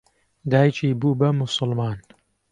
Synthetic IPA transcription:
d̪aːjt͡ʃʰiːbuːbɐmʊsʊlmɑːn

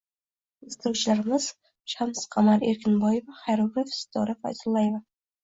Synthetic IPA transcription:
ɪst̪ɪɾuwt͡ʃʰɪlaɾɪmɪz̥ | ʃamsqʰɑmaɾeɾkʲʰɪnbɒjevaχajɾʊɾefst̪ʰɒɾɪfa̰jzʊlˠːajeva

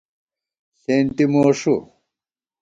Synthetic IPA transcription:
sent̪imoːʂu

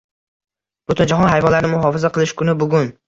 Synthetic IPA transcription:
b̥ʊt̪ɪnd͡ʒaɦɒnɦajvɒnlaɾnɪmʊɦɒfɪzaqɨlˠɪʃkʰʊnɪbʊɡʲʊn

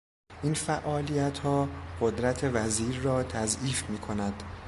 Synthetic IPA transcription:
ʔiːnfæʔɒːlijæt̪ʰhɒːɢ̥od̪ɾæt̪ʰe̞væziːɾːɒːt̪ʰæziːfmiːkʰo̞næd̪̥

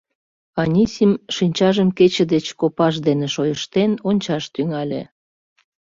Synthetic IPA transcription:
ɑnʲisʲimʃinʲt͡ɕɑʒəmket͡ɕĕd̪et͡ɕkopɑʃ̬d̪eneʃojəʃt̪enonʲt͡ɕɑʃt̪yŋɑlʲḛ

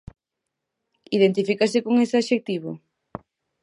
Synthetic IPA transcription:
iðent̪ifikasɪkoŋesɪaʃek̚t̪iβo̰

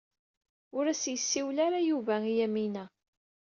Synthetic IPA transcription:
ʊɾæsjəsːiwlaɾajuvæijæminæ

